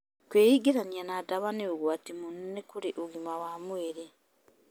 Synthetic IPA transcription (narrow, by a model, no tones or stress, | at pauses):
kweːjiɡiɾanianadaβaneoɣwatimunnekuɾiʔuɣimawaːmweːɾe